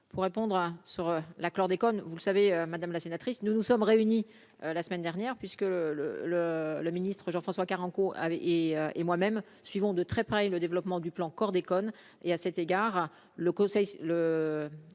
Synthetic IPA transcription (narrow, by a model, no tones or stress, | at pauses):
puʁːepɔ̃d̪ʁsyʁølaklɔʁd̪ekɔnvulsaveømad̪amlasenat̪χisnunusɔmʁeyni | ølasmɛnd̪ɛʁnjɛʁpɥiskələ̰lələminist̪χəʒɑ̃fχɑ̃swakaʁɑ̃koʔa̰ɛʔeøemwamɛm | sɥivɔ̃d̪ət̪χɛpχɛləd̪evlɔpmɑ̃d̪yplɑ̃kɔʁd̪ekɔn | easɛt̪eɡaʁ | ləkɔ̃sɛjlə